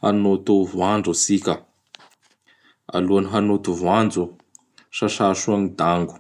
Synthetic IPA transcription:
hanot̪uvaɳɖ͡ʐusikʲə | a̰luaniɦanot̪uvuand͡zu | ʃaʃaʃuaŋid̪aŋɡu̥

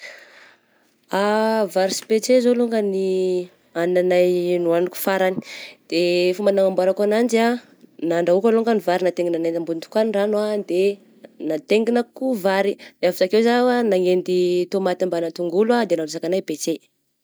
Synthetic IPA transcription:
avaɾisi̥pet͡sezoluŋɡəni | annanajnuaniku̥faɾani̥d̪̥efumbanaŋambaɾakanand͡ʒia | naɳɖ͡ʐaukəluŋɡənivaɾinat̪eŋɡinanand̪ambunt̪u̥kaniranad̪e | nat̪eŋɡinakuvaɾilavitakewzawanaŋend̪it̪omat̪ambanat̪uŋɡulwad̪enaluzakanajbet͡se

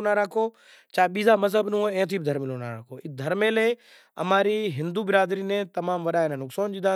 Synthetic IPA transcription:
naɾaːkʰoː | t͡ʃaːɓiːzamɐzɦəbnũoɛ̃ːt̪̬ʰiːbɪd̪ʱɐɾmɪloːnaɾaːkʰoːɪd̪ʱɐɾmẽleː | ɐ̰maːɾiɦɪ̃nd̪uːbɪɾaːd̪ɾiːnẽt̪ɐmaːmʋɐɗaːɪnənʊksaːnd͡ʒiːd̪aː

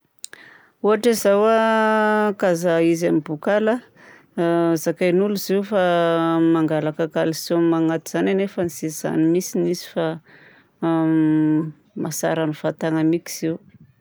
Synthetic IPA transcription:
uɦaʈ͡ʂezawa | kazaizamibukala | zakajnuluziwfamaŋɡalakakalisomaŋat̪iz̥ananefanisiz̥a̰nimisinizi̥fa | masa̰ɾanifat̪aŋamiki̥z̥iw

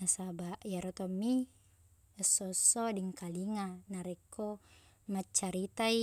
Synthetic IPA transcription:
asabaʔjaɾot̪omːi | əsːosːodiŋkaliŋanaɾɛkːo | mat͡ʃːaɾit̪ai

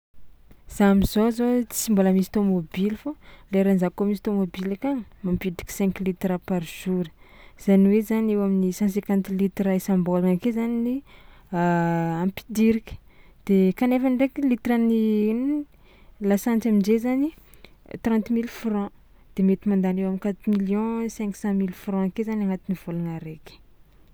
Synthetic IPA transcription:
z̥amizozot͡si̥simbolamisi̥t̪omobilifoleɾanzakomis̬i̥t̪omobilakamampidi̥ki̥sɛ̃ŋklit̪rapaɾʒ̥uɾə | z̥aniwezaniewaminisãs̬ɛ̃kãnt̪lit̪raisãmbolankezanini | ãmpi̥d̪iɾikʲə̥d̪̥ekanefanɖ͡ʐekilit̪ɾəni | lasãnt͡samind͡ʒezani | t̪rɑ̃nt̪milfrɔ̃ | d̪̥emet̪imãnd̪anewamikat̪umiljɔ̃sɛ̃ŋku̥sɑ̃milfrɔ̃akezanaŋat̪iniv̥olanaɾeki̥

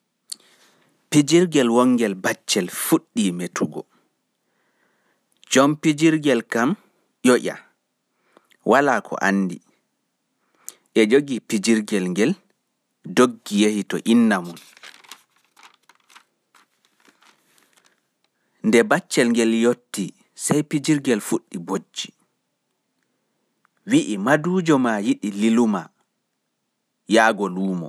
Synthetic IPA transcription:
pid͡ʒiɾɡɛlwɔŋːɡɛlbat͡ʃːɛlfuɗːimetʰuɡɔ̰ | d͡ʒɔmpid͡ʒiɾɡɛlkam | jɔʔʲa̰ | wʔalakʰɔ̰ʔa̰nːdḭ | ʔɛd͡ʒoɡipid͡ʒiɾɡɛlŋɡɛl | doɡːijehitɔ̰ʔinːamun | ndɛbat͡ʃːɛlŋɡɛljotːi | sajpid͡ʒiɾɡɛlfuɗːibod͡ʒːi̥ | wiʔimaduːd͡ʒɔmajiɗililuma | jaːɡɔluːmɔ̰

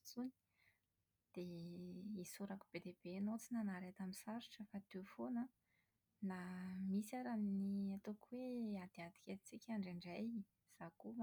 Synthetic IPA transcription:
t͡suni̥ | d̪̥e | isuɾaku̥b̥ed̪ebenot͡sinənaɾet̪aminsaɾiʈ͡ʂəfat̪efonə | namisaɾaniat̪okuwead̪̥iad̪̥i̥kʲeit͡sikʲaɳɖ͡ʐiɳɖ͡ʐaj | z̥ako

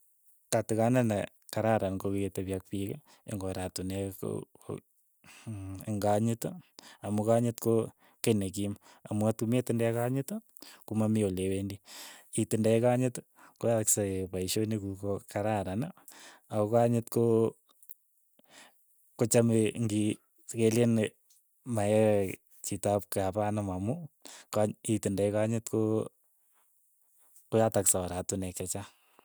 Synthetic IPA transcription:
katikanana | kaɾaɾanɡokiketaβjak̚pika | ḛŋɡoɾatuneko̰ | eŋɡaɲɪtamukaɲɪtko | kenek̬im | amuatkumetɪndaekaɲɪt | kumamiolewendiitɪndaekaɲɪt | koaksapaiʃonikukokaɾaɾana | aokaɲɪtko | kot͡ʃameŋɡi | keljen | maɛ | t͡ʃitap̚kapanamamukaitindejkaɲɪtko | kojataksawaɾatunɛkɛt͡ʃa

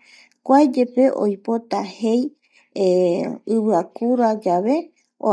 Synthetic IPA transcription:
kʷaed͡ʒe̞pe̞ʔo̰jpo̞t̪ahe̞j | ɨβɨakuɾad͡ʒaβe̞ | o̰

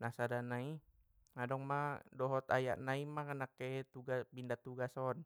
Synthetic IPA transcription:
nasadanai | ŋadɔŋmadɔɦɔt̪a̰ja̰ʔnaimakənakːet̪uɡabindat̪uɡasɔn

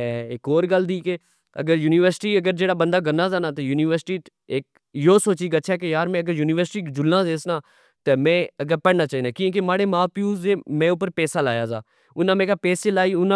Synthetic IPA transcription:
ɛːɪkoːɾɡəld̪iːke | ə̰ɡəɾjuːnɪːʋəɾsʈiːəɡəɾd͡ʒeːɽaːbənd̪aːɡənaːzaːnaːt̪ejuːniːʋəɾsɪ̥ʈiː | eːk̚ | joːsoːt͡ʃiːɡətːt͡ʃʰakejaːɾmɛ̃ːəɡəɾjuːnɪːʋəɾsʈiːkd͡ʒʊlnãːzeːsnaː | t̪eːmɛ̃ːəɡəɾpəɽnaːt͡ʃaːɦiːnd̪aːkĩk̬emaːɽeːmaːpijuːzeːmɛ̃ːʊp̬əɾpɛːsaːlaːjaːza̰ː | ʊnãːmẽːkaːpɛːseːlaːiːʊnã

